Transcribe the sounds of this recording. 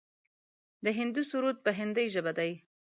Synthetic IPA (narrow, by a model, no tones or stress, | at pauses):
d̪əɦɪnd̪usuɾut̪̚pəɦɪnd̪əjʒəbad̪aj